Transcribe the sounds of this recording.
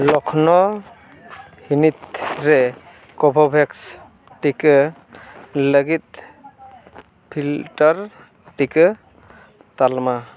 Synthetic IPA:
lɔkʰnɔ | hinit̪ɾɛ | kɔbʱɔbʱɛks | ʈikɯ | ləɡit̪̚ | pʰilʈɔɾ | ʈikɯ | t̪alma

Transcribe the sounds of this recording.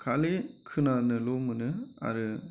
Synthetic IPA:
kʰalekʰɯnanɯlomɯnɯa̰ɾɯ

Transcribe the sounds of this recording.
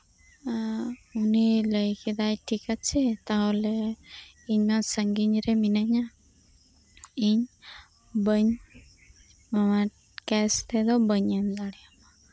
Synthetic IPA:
uniləjkid̪ajʈʰikat͡ʃʰɛt̪aɦɔle | iɲmasəŋɡiɲɾɛminəɲa | iɲ | bəɲ | mama | kɛst̪ʰɛd̪ɔbəɲand̪aɽiama

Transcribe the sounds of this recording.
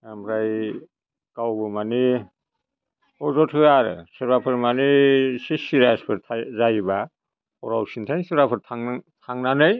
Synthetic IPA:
amɾaj | kawbɯmani | ɔzɔtʰɯaɾsɯɾbapʰɯɾmanisisiɾaspʰɯɾtʰazajba | ɔ̰ɾawsintʰajnsɯɾbapʰɯɾtʰaŋtʰaŋnanɯj

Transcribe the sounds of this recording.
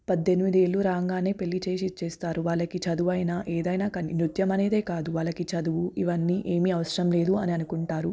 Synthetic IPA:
pɐd̪ːe̞nimid̪e̞ːɭːuɾaːŋɡaːneːpe̞lːit͡ʃe̞ːʃit͡ʃeːst̪aːɾuʋaːɭːɐkit͡ʃɐd̪uʋɐjnaʔeːd̪ɐjnaːkɐninɾut̪jɐmɐne̞ːd̪e̞ːkaːd̪uʋaːɭːɐkit͡ʃɐd̪uʋuʔiʋɐnːiːʔe̞ːmiɐʋɐʃɾɐmle̞ːd̪uɐniɐnukuɳʈaːɾu

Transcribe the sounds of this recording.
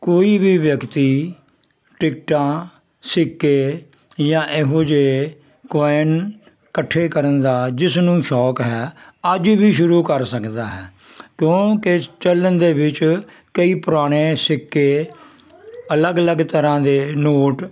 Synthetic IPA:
koːiːbiːʋjəkt̪iː | ʈɪkʈãː | sɪkːeː | jãːʔeɦõːd͡ʒeː | kɔːɪn | kəʈʰːeːkəɾənd̪aːd͡ʒɪsnũːʃɔːkɦɛːəd͡ʒbiːʃʊɾuːkəɾsəkd̪aːɦɛːkjõːket͡ʃələnd̪eːʋɪt͡ʃ | kəiːpʊɾaːɽ̃eːsɪkːeː | ələɡələɡt̪əɾãːd̪eːnoːʈ

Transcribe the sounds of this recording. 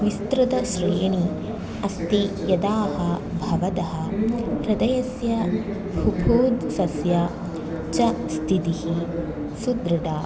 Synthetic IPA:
ʋist̪ɾut̪ɐʃɾejɐni | ɐst̪ijɐd̪aːhɐbʱɐʋɐd̪ɐɦɐ̆ɾɐd̪ɐjɐsjɐ | bʱubʱuːd̪sɐsjɐ | t͡ʃɐst̪ʰit̪ihi | sud̪ɾɐd̪aː

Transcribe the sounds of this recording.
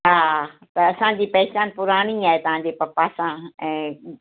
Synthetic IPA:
ɦaːt̪ɐɐsãd͡ʑiːpɛɦt͡ɕaːnpʊɾaːɽ̃iaːɦet̪ɐʋ̤ãɲd͡ʑepɐpaːsãɛ̃ː

